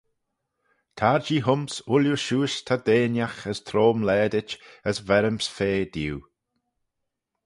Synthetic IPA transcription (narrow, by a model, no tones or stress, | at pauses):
t̪ʰaɹd͡ʒiːɦʊmsʊljuʃuːʃt̪ʰad̪eːnjaxəst̪ʰɾoːmlɛːd̪ɪt͡ʃəsvɛɾəmsfeːd̥̪iw